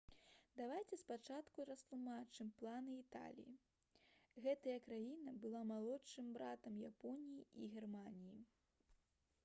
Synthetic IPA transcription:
d̪avajt͡sʲɛspat͡ʂat̪kuɾɐst̪lˠumat͡ʂɨmplˠanɨit̪a̰lʲḭjḭ | ɣɛt̪ɐjɐkɾajinɐbɨlˠamalˠɔtʂɨmbɾat̪ɐmjapɔnʲijiiɣʲɛrmanʲiji

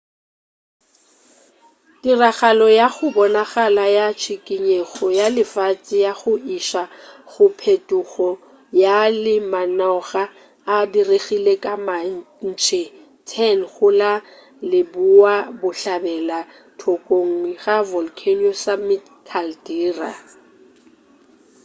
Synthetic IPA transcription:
diraɣalɔjaɣʊbɔnaɣalajat͡ʃʰikʼiɲeɣɔjalɪfat͡sʼɪjaɣʊiʃaɣʊpʰetʼuɣɔ | jalɪmanɔɣa | adireɣilekʼama | n̩t͡ʃʰe | tʰɛnχʊla | lɪbuwabʊɬabɛla | tʰokʼoŋ̩ɣavɔlkʰenosamɪt | kʰaldiːra̰

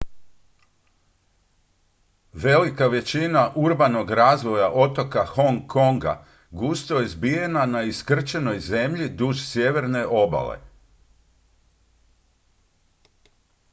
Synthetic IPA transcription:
ʋe̞likaʋe̞t͡ɕinaʔuɾbano̞ɡɾaːzʋo̞jaʔo̞t̪o̞kaxo̞ŋkʰːo̞ŋɡa̰ | ɡust̪ojezbije̞nanaiskr̩t͡ʃe̞no̞jze̞mʎid̪uʒsje̞ʋe̞ɾne̞ʔo̞ba̰lḛ

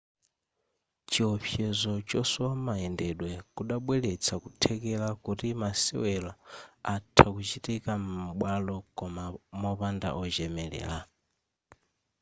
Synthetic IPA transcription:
t͡ʃiɔpʰjɛzɔt͡ʃɔsɔwamaɛndɛɗwɛkuɗaɓwɛlɛt͡sʰakutʰɛkɛlakutimasɛ̰wɛlaatʰakut͡ʃitikam̩m̩ɓwalɔkɔmamɔpanda̰ʔɔd͡ʒɛmɛlɛ̰ːla

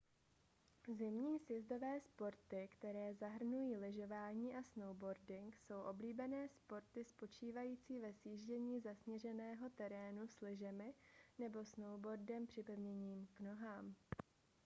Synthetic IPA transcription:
zɪmɲiːsjɛzdo̞vɛːspo̞ɾt̪ɪkt̪ɛɾɛːzaɦr̩nujiːlɪʒo̞vaːɲiːʔasno̞wbo̞ɾdɪŋkso̞wʔo̞bliːbɛnɛːspo̞ɾt̪ɪspo̞t͡ʃiːvajiːt͡siːvɛsjiːʒɟɛɲiːzasɲɛrɛnɛːɦo̞t̪ɛɾɛːnuslɪʒɛmɪnɛbo̞snowbo̞ɾdɛmpr̝̥ɪpɛvɲɛɲiːmkno̞ɦaːm

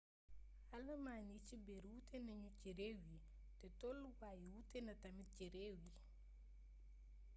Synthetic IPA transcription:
halɐmaːnit͡ʃibɛɾwutɛnaɲuciɾewi | tɛtɔluwaːjiwutɛnɐtamiciɾewi

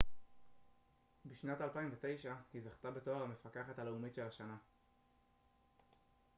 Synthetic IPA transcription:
biʃnatalpaimvet̪e̞jʃahizaχt̪abe̞to̞aʁhamefakaχathale̞umitʃe̞laʃana

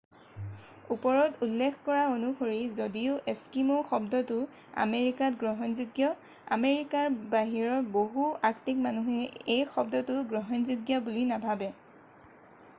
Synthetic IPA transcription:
upɔɹɔtulːekʰkɔɹaonuxoɹizodiʊʔeskimoxɔb̚dɔtʊ | a̰meɹikatɡɹɔɦɔnzuɡjɔ | a̰meɹikaɹbaɦiɹɔɹboɦuaktik̚manuɦɛejxɔb̚dɔtʊɡɹɔɦɔnzuɡjɔbulinabʱabɛ

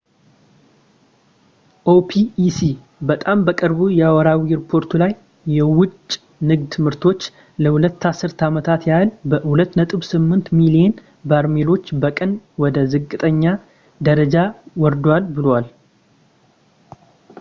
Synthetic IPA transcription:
ʔopʰiːsi | bət̪ʼambəkʼɨɾbujɛawɔɾawiɾipʰo̞ɾt̪ʰulajː | ɛwʊt͡ʃʼː | nɨɡd̪ʰɨmɨɾt̪ʰo̞t͡ʃː | ləhulət̪ːasːɨɾt̪ʰamət̪ʰat̪jalbəhulət̪ːnət̪ʼɨβsɨmːɨnt̪milije̞n | baɾmelo̞t͡ʃːbəkʼənwɔd̪əzɨkʼːɨt̪ʼəɲːa | d̪əɾəd͡ʒawɔɾd̪walbɨlwal

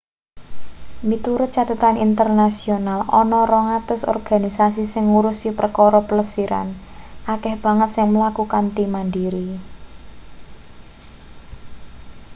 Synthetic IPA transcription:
mit̪uɾʊt̪̚t͡ʃat̪ət̪anint̪ərnasionalɔnɔɾɔŋat̪ʊsɔ̰rɡ̥a̤nisasisɪŋːuɾusipərəkɔɾɔpələsiɾʔa̰n | ʔakɛhb̥a̤ŋət̪̚sɪŋməlakukant̪imandiɾi

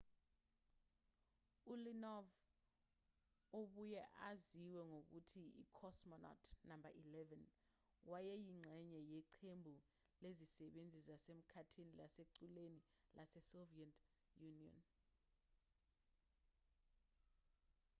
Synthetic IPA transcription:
ulinɔv | oɓujɛʔaziwɛŋok̬utʰiḭkʰɔsmɔnɔ̰tʰnambaʔilɛvɛn | wajɛjiŋ͡ǀʱɛɲɛjɛǀʰembʱu | lezisɛɓend͡zʱizasem̩kʰatʰinilaseǀuleni | lʔasɛsoviɛntʰʼ | juniɔ̰n

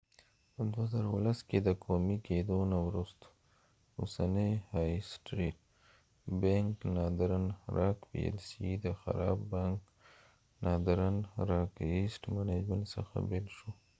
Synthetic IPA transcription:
pəd̪wazaɾaulasked̪əkʰomiked̪onawɾust̪ | usanəjhɑjsʈɾiʈ̚ | baŋknɑd̪ɾanɾʔɑkbḭḛlsid̪əxa̰ɾɑbːaŋk | nɑd̪ɾanɾɑkesʈmaned͡ʒməɳsə̰xa̰belʃo

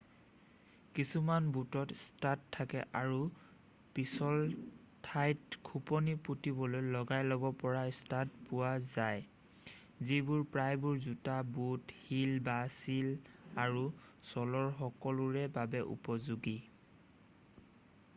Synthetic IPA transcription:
kisumanbutɔtstatʰːakɛ̰ʔaɹu | pisɔl | tʰajtkʰupɔniputibɔlojlɔɡajlɔbɔpɔɹastat̚pʊwazaj | zibuɹpɹajbuɹzutabuthilbasilaɹusɔlɔɹxɔkɔlʊɹɛbabɛʔṵpɔzuɡi

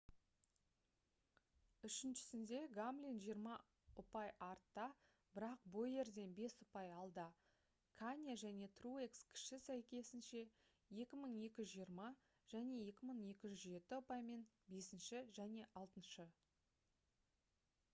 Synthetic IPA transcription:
ʏʃɪnʃɪ̥sɪnd̪e̞ɡamblʲinʒijəɾmɑ | ʊpɑjɑɾt̪ːɑ | b̥ɪɾɑq̚bo̞je̞ɾd̪e̞nbe̞sʊpɑjɑlˠd̪ə | kʰanʲjaʒæne̞t̪ruekskʲʰɪ̥ʃɪsæjkʲe̞sɪnʃe̞ | je̞kʲɪməɴe̞kʲɪʒʏzʒijəɾmɑ | ʒ̥æne̞je̞kʲɪməɴe̞kʲɪʒʏzʒe̞t̪ɪʊpɑjme̞n | be̞sɪnʃɪʒæne̞ʔɑlˠt̪ənʃə

